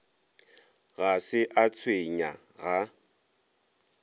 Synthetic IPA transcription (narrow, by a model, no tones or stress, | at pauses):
ɣasɪʔat͡sʰweɲa | ɣa